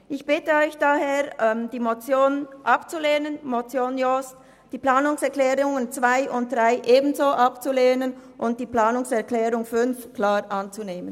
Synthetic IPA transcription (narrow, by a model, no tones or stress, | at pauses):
ʔɪçb̥ɪtəɔʏçd̥aheːɾɛmd̥iːmot͡sjoːnʔɑpt͡suleːnənmot͡sjoːnjɔst | d̥iːplaːnʊŋsɛʁklɛːɾʊŋənt͡sv̥aɪʔʊnt̚d̥ʁaɪʔeːbn̩zoːʔɑpt͡suleːnənʔʊnt̚d̥iːplaːnʊŋsɛɐklɛːɾʊŋfʏnfklaːʁʔɑnt͡suneːmən